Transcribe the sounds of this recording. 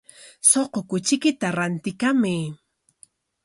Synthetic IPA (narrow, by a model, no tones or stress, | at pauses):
soqokʊt͡ʃɪkɪt̪aɾant̪ɪkamɪ